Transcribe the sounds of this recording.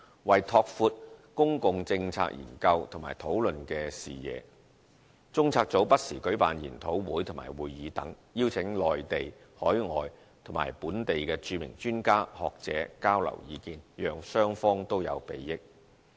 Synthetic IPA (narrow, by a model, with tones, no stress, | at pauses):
wɐ˨jt̪ʰɔː˧k̚fuː˧t̚kʊ˥ŋkʊ˨˧ŋt͡sɪ˧ŋt͡sʰa̰ː˧k̚jḭː˨˩nkɐ˧wt̪ʰŋmaː˨˩jt̪ʰo˨˥wlɵ˨nkɛː˧sḭː˨˩jɛ̰ː˨˧ | t͡sʊ˥ŋt͡sʰaː˧k̚t͡so˨˥wpɐ˥t̚sḭː˨˩kɵ˨˥ɥpa̰ː˨njiː˨˩nt̪ʰo˨˥wwuː˨˥jt̪ʰʊ˨˩ŋma̰ː˨˩jwuː˨jjiː˨˧t̪ɐ̰˨˥ŋ | jiː˥wt͡sʰɪ˨˥ŋlɔː˨jt̪e˨j | hɔː˨˥jŋɔː˨j | t̪ʰŋma̰ː˨˩jpuː˨˥nt̪e˨jkɛː˧t͡ʃyː˨˧mɪ̰˨˩ŋt͡ʃyː˥nkaː˥hɔː˨k̚t͡sɛ̰ː˨˥kaː˥wlɐ̰˨˩wjiː˨˧kiː˧njœː˨ŋsœː˥ŋfɔː˥ŋt̪o˥wjɐ̰˨˧wpe˨˧jjɪ˥k̚